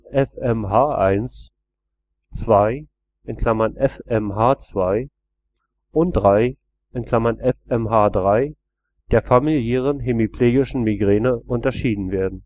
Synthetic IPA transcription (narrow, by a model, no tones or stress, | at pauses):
ʔɛfɛmɦaːʔaɪns | t͡sv̥aɪ | ʔɪnkʰl̥amɐnʔɛfɛmɦaːt͡sv̥aɪ | ʔʊnt̚d̥ʁaɪ | ʔɪnkl̥amɐnʔɛfɛmɦaːdʁaɪ | d̥eːɐfamiljɛːʁ̞ənɦemipleːɡɪʃn̩miɡʁɛːnəʔʊntɐʃiːdn̩veːɐdn̩